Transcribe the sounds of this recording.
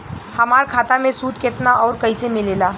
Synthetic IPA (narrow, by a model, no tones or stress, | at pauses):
hɐmaːɾkʰaːt̪amẽsuːd̪kɪt̪naʔɔːɾkɐisemɪleːlaː